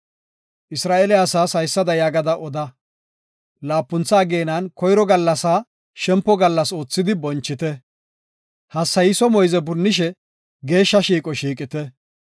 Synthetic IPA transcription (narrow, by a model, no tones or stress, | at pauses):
ʔɪsɾaːʔɛlɪɐsaːsɐjsːɐd̪ɐjaːɡɐd̪ɐʔɔd̪ɐ | laːpːʊnt͡sːaːɡeːnɐnkɔjɾɔɡɐlːɐsaː | ʃɛmpːɔɡɐlːɐso̞ːt͡sːɪd̪ɪbɔnt͡ʃːɪt̪ɛ | hɐsːɐjɪsɔmɔjzɛbʊnːɪʃ̬ɛ | ɡe̞ːʃːɐʃiːkʼɔʃiːkʼɪt̪ɛ